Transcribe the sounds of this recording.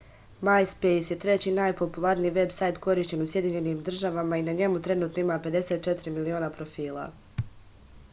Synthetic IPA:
majspejsje̞t̪ɾe̞t͡ɕiːnajpo̞pulˠaɾniːʋe̞bsajt̪ko̞ɾiːʃt͡ɕe̞nusje̞d̪iɲe̞niːmd̪r̩ʒaʋamainaɲe̞mut̪ɾe̞nuːt̪no̞imaːpe̞d̪e̞set̪̚t͡ʃe̞t̪ɾimilio̞ːnapɾo̞fiːlˠa̰

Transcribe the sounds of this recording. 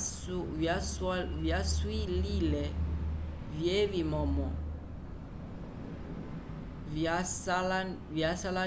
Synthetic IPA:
bjaswililɛ | vjebimɔmɔ | l | bjasala

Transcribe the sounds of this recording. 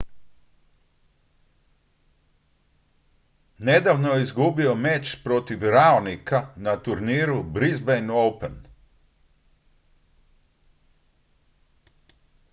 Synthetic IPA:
ne̞d̪aːʋnojeizɡubio̞me̞t͡ʃpɾo̞t̪iʋɾaonikanat̪uɾniːɾubɾizbejnowpen

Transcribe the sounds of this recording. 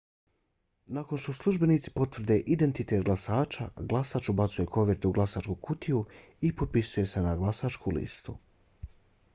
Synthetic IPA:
nako̞nʃt̪o̞slˠuʒbe̞niːt̪si̥po̞t̪ʋr̩d̪e̞ʔid̪e̞nt̪it̪e̞t̪̚ɡlˠasaːt͡ʃa̰ɡlˠasaːt͡ʃubat̪suje̞ko̞ʋeɾt̪euɡlˠasaːt͡ʃkukut̪iu | ipot̪̚pisuje̞se̞naɡlˠasat͡ʃkulḭst̪u

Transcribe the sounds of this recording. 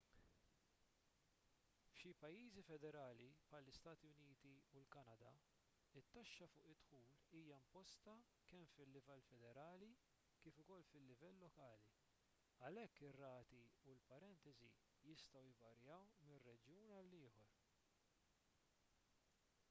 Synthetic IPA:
fʃipɐjːiːzifɛd̪ɛɾɐːlipħɐlːɪst̪ɐːt̪iʊniːt̪iulkɐnɐd̪ɐ | ɪt̪ːɐʃːɐfʊːʔɪt̪ːħuːliːjɐɪmpɔst̪ɐ | kɛmfɪlːɪvɛlːfɛd̪ɛɾɐːli | kɪːfʊkɔlːfɪlːɪvɛlːɔkɐːli | ɐlɛkːɪrːɐːt̪iulpɐɾɛnt̪ɛzḭ | jɪst̪ɐwjvɐɾjɐwmɪrːɛd͡ʒjuːnɐlːɪːħɔɾ

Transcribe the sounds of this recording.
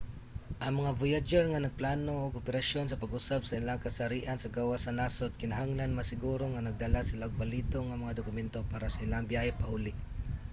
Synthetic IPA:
ʔɐŋmɐŋavojad͡ʒɛɹŋanɐɡ̚plaːnoʔoɡopɛɾɐʃonsɐpɐɡʔʊsab̚sɐʔɪlaŋkɐsɐɾiːʔansɐɡawasanasot̪̚kɪnɐɦaŋlanmɐsɪɡuːɾoŋanɐɡ̚d̪alasɪlaɡ̚bɐliːt̪oŋɐmɐŋad̪ʊkʊmɛnt̪opaːɾasɐʔɪlaŋbjahɛpɐhuːlɪʔ

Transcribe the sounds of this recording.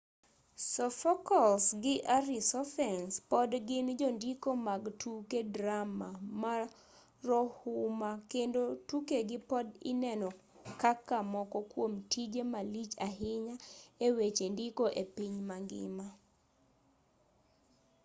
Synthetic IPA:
sɔfɔkɔlsɡɪʔaɾisɔfɛnspɔdɡɪnd͡ʒɔndikomaɡtʰukedɾamama | rɔhʊmakendotukeɡɪpɔdɪ̰nɛnɔ | kakamɔkɔkwomtid͡ʒemalit͡ʃaɦɪɲaewet͡ʃendikoʔepiɲmaɡɪ̰ma

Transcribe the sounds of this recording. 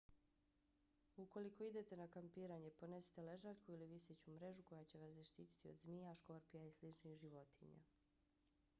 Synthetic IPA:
uko̞liko̞id̪e̞t̪e̞nakampiːɾaɲe̞po̞ne̞si̥t̪ele̞ʒaːʎkuiliʋiset͡ɕumɾe̞ʒuko̞jat͡ɕe̞ʋaszaʃt̪ḭːt̪i̥t̪iod̪zmiːaʃko̞ɾpijaislit͡ʃnixʒiʋo̞t̪ḭɲa̰

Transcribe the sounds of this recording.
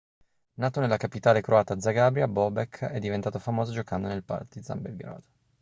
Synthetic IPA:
naːt̪onelːakapit̪aːlekɾoaːt̪ad̪zaɡabɾjabɔbɛkʰːɛd̪ːivent̪aːt̪ofamoːzod͡ʒokand̪onelpa̰rt̪d̪id̪za̰mbelɡɾa̰ːd̪̥o

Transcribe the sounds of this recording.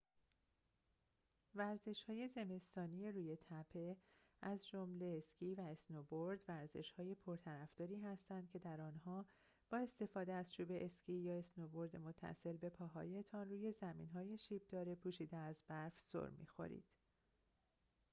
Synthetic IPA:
væɾze̞ʃhɒːje̞ze̞me̞st̪ɒːnije̞ɾuːje̞t̪ʰæpʰe̞æzd͡ʒo̞mle̞ːscʰiːvæesnoboɾd̪væɾze̞ʃhɒːje̞pʰo̞ɾt̪ʰæɾæfd̪ɒːɾiːɦæst̪ænd̪̥kcʰed̪æɾɒːnɦɒː | b̥ɒːe̞st̪e̞fɒːd̪eæzt͡ʃʰuːbe̞ʔescʰiːjɒːesnobo̞ɾd̪emot̪ʰːæ̰se̞lbe̞pʰɒːɦɒ̰ːje̞t̪ʰɒnruːje̞zæmḭːnɦɒːje̞ʃiːb̚d̪̥ɒːɾepʰuːʃiːd̪eæzbæɾfso̰ɾmḭːxo̞̰ɾḭd̪̥

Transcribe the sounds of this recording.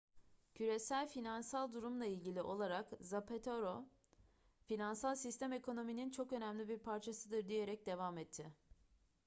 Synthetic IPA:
cʰyɾe̞sælʲfinansalˠd̪uɾumlˠailʲɟilʲiʔo̞lˠaɾakzapʰet̪ʰoɾo | finansalˠsist̪ʰæme̞ko̞no̞minint͡ʃʰo̞kø̞næmlʲibiɾpʰaɾt͡ʃʰasɯd̪ɯɾd̪ije̞ɾɛc̚d̪e̞vaːmɛt̪ʰːɪ

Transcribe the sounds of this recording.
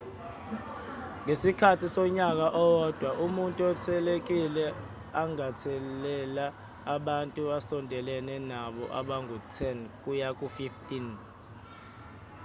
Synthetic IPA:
ŋesikʰatʰisɔɲak̬aʔɔwɔd̥ʱwaʔumuntʼuɛtʰɛlek̬ilɛ | aŋatʰɛlɛla | aɓantʼuasɔndʱɛlɛnɛnaɓɔ̰ʔa̰ɓaŋutʰɛnk̬ʼujak̬ʼufiftʼin

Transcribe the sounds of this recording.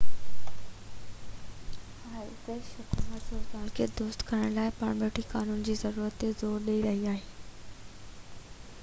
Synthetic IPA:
haːt̪eʃʊkuːmət̪ʊzaːlkʰed̪ʊst̪kʰɐɾəɽ̃laːɪpɐɽ̃ɓeːʈʰikaːnuːnd͡ʑiːzɐɾuːɾət̪ːezoːɾɗeiɾɐɦiaːɦeː

